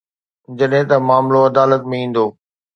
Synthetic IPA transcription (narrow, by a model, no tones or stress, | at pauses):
d͡ʑɐɗɦɪ̃t̪ɐmaːmloɐd̪aːlət̪mẽĩːn̆d̪oː